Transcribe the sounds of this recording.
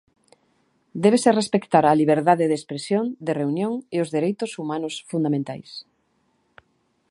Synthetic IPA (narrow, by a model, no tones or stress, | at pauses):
d̪ɛβ̞eserespekt̪aɾaliβ̞eɾðaðeðespɾesjõnd̪ereunjõŋeozðeɾejt̪ʊsumanʊsfund̪amẽnt̪a̰js